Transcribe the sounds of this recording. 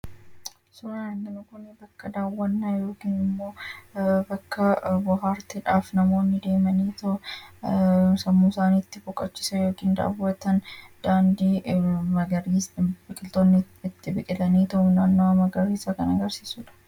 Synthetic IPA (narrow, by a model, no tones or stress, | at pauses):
sʊɾɐnɐŋːɐnɐkʊnɛbɐkːɐd̪aːwːɐnːajo̞ːkiːnɪmːo̞ːbɐkːɐbʊɦaːɾt̪ɪᶑaːfnɐmo̞ːnːɪd̪e̞ːmɐniːt̪ɐʊ | sɐmːusaːniːt̪ːɪfɔkʼːɐt͡ʃːɪ̥sɐjo̞ːkiːnd̪a̰ːwːɐt̪ɐnd̪̥aːnd̪iːmɐɡɐɾibɪkʼɪlt̪oːnːɪ | ɪt̪ːɪbɪkʼɪt̪ɐniːt̪ɐʔʊnaːnːomɐɡɐɾiːsɐkɐnɐɡɐɾsiːsuːᶑɐ̥